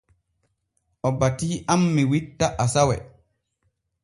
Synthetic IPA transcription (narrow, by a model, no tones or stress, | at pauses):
ʔɔbatiːʔamːiwitːaʔasawɛ̰